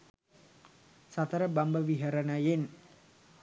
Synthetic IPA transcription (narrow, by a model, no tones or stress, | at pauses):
sat̪aɾabambawiɦaɾanajɪn